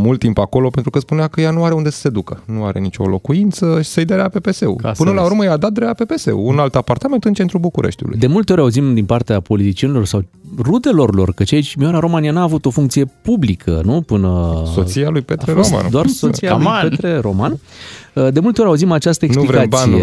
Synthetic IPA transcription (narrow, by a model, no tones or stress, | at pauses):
mult̪ːimpako̞lo̞pe̞nt̪ɾukəspuneakəjanuaɾe̞und̪e̞sə̥se̞d̪ukənuaɾe̞̰nit͡ʃo̞̰lo̞kuint̪səʃi̥sejd̪aɾeape̞pese̞ṵpɨnəlauɾməjad̪at̪̚d̪ɾeape̞pe̞se̞̰ṵunalt̪apart̪ament̪ɨnt͡ʃet̪ɾubukuɾʔeʃt̪ṵlṵdj̪e̞mult̪e̞o̞ɾʲauzimd̪inpart̪eapo̞lit̪it͡ʃie̞nilo̞rsawrud̪e̞lo̞rlo̞̰rkət͡ʃait͡ʃʲmiaɾaɾo̞manijanaːvut̪o̞fuŋkt̪sije̞publikʰə̰nupɨnəso̰t̪sialujpet̪ɾeɾoma̰nd̪oarsosijauapet̪ɾeɾo̞manəd̪e̞mult̪eo̞ɾʲauzimat͡ʃast̪əensulivkaaie